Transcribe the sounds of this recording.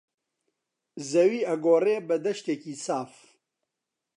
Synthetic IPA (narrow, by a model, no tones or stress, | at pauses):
zɐwiːɐɡoːreːbɐd̪ɐʃt̪eːkiːsaːf